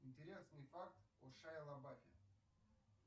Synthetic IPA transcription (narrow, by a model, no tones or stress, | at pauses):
ɪnʲtʲɪɾʲe̞snɨjfakt̪ɔʂajɐlˠɐbafʲɪ̰